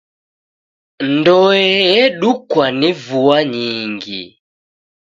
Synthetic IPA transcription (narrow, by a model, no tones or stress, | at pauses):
ndɔɛjɛɗukwanivuaɲiŋɡḭ